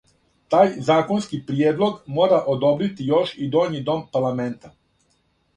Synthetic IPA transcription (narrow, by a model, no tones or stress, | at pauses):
t̪aːjzaːko̞nskipɾijeːd̪lˠo̞ɡmo̞ːɾaʔod̪obɾit̪ijo̞ʃid̪oːɲid̪o̞mpaɾlˠame̞nt̪a